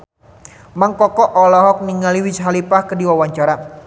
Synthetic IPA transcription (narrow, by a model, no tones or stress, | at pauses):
maŋkɔkɔʔɔlɔɦɔk̚niŋaliwit͡ʃɦalipahkədiwawaɲt͡ʃaɾa